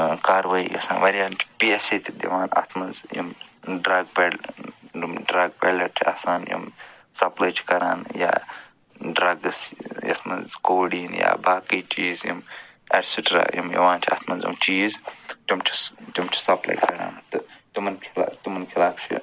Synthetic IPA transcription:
kaːɾʋaːḭkɐsaːnʋɐɾʲjaːnt͡ʃʰi̥peːset̪ʲʰid̪iʋaːnɐ̰t̪ʰmɐnzjḭmɖɾɐɡ̚pɐl | mɖɾɐɡ̚pelɐt͡ʃʰiɐ̰saːnjḭm | sɐplajt͡ʃʰi̥kɐɾaːnja̰ː | ɖɾɐɡsjɐ̰t̪ʰmɐnzkoːɽiːnja̰ːbaːkəjt͡ʃiːzjḭm | eɾsiʈɾa̰ːjimjḭʋaːnt͡ʃʰiɐ̰t̪ʰmɐnzḭmt͡ʃiːzt͡ʃimt͡ʃʰi̥t̪imt͡ʃʰi̥sɐpla̰jkɐɾa̰ːnt̪ɨt̪imɐnkʰla̰ːt̪imɐnkʰilaːbt͡ʃʰḭ

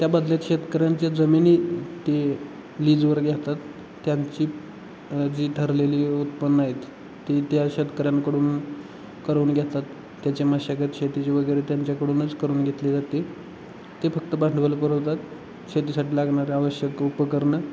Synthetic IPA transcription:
t̪jabəd̪ʱljat̪ɕet̪kəɾjaɲt͡ɕad͡zəminiːt̪e | liːd͡zʋəɾɡʱjat̪at̪ː | jaɲt͡ɕiː | d͡ʑiːʈ̪ʰəɾleliːut̪pənːaɦet̪ː | et̪jaɕed̪kəɾjãnkəɽuːn | kəɾuːnɡʱjat̪at̪ː | jat͡ɕemaɕaɡət̪ɕet̪it͡ɕeʋəɡəjɾet̪jaɲt͡ɕjakəɽuːnət͡skəɾuːnɡʱet̪led͡zat̪e | t̪efək̚t̪əbaɳɳɖʋələpəɾəʋt̪at̪ | ɕet̪isaʈiːlaɡɳaɾeaʋəɕjəkupəkəɾɳə

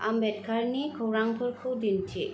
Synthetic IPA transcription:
ʔambɛt̚kʰaɾnikʰɯwɾaŋpʰɔɾkʰɯwdintʰi

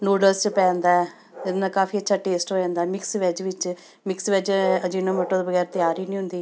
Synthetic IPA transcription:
noːɖəst͡ʃpɛ̃ːnd̪aːɛ | d͡ʒɪnd̪ãːkaːfʰiːətːʃʰaːʈeːsʈoːjãːnd̪aːɛːmɪksʋɛd͡ʒʋɪt͡ʃ | mɪksʋɛd͡ʒəd͡ʒinõːməʈːõːd̪bəɡɛːɾt̪ɪjaːɾiːnĩːɦʊ̃nd̪iː

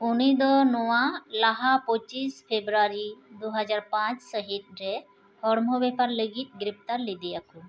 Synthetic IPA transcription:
unid̪ɔnɔwãlaɦapɔt͡ʃispʰebɾaɾid̪oɦəd͡ʒaɾpãt͡ʃsəɦit̪̚ɾɛ | hɔɽmɔbɛpaɾləɡit̪̚ɡɾɪpt̪aɾlid̪ijakʰu

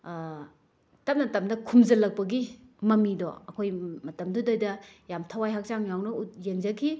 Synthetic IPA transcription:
tɐp̚nɐtɐmdɐkʰumzɐlɐk̚pɐɡi | mɐmidɔ̰ɐkʰojmɐtɐmdudajdɐjamtʰawajɦak̚t͡ʃaŋjawnɐut̚jeŋzɐkʰi

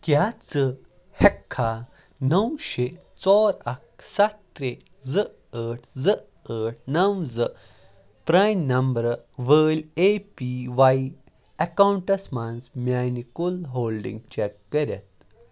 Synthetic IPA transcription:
kjat͡sə | hɛkʰːa | nəwɕe | t͡sɔɾɐk̚sat̪ːɾe | d͡zɨ | əːʈʰd͡zə | əːʈ̚ʰnɐwzɨ | pɾajnnɐmbɾʋəːlepiʋai | ɐkawuɳʈɐsmansmʲanikulɦolɖḭ̃ŋɡ̚t͡ɕekːəɾʲɛt̪

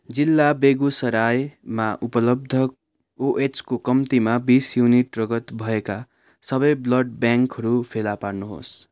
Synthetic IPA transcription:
d͡zilːabeɡusʌɾajmaʔupʌlʌb̚d̪ʱʌ | oʔet͡skokʌmt̪imabisjuniʈrʌɡʌt̪bʱʌeka | sʌbʌjblʌɖ̚bjãŋkɦʌɾupʰelaparnuɦo̰s

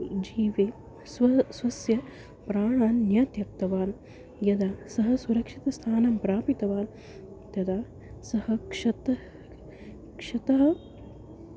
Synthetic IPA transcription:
d͡ʒiːʋeː | sɐsʋɐsjɐ | pɾaːɳaːnːjɐt̪jɐk̚t̪ɐʋaːn | jɐd̪asɐɦɐsuɾɐkʂit̪ɐst̪ʰaːnɐmpɾaːpit̪ɐʋaːn | t̪ɐd̪aː | sɐhɐkʂɐt̪ɐ | kʂɐt̪ɐɦɐ̆

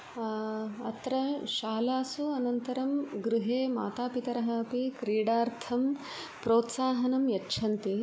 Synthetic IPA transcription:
ɐt̪ɾɐʃaːlaːsuɐnɐnt̪ɐɾɐmɡɾuɦeːma̰ːt̪aːpit̪ɐɾɐɦaːpikɾiːɽaːɾt̪ʰɐm | pɾoːt̪saːɦɐnɐmjɐtːt͡ʃʰɐnt̪i

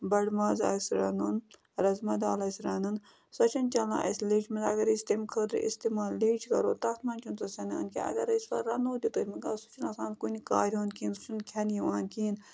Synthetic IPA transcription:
bɐɽmaːzɐ̰sɾɐnun | ɾɐzmɐd̪aːlɐːsɾɐnɨn | sɐt͡ʃʰɐnt͡ʃɐla̰ːʔɐsleːt͡ʃʰmɐnɐɡɐɾist̪emkʰəːd̪ɾḭst̪emaːlːeːt͡ʃʰkɐ̰ɾoːt̪ɐt̪mɐnt͡ʃʰunsɐsʲɐnɐ̰nkiɐ̰ɡɐɾisʋɐɾɐnoːd̪ʲit̪oɾʲmiɡaːsu̥t͡ʃʰunɐsãːnkunikaːɾʲoːnkʰiːnu̥t͡ʃunkʲʰɐnjiʋaːnkiːn

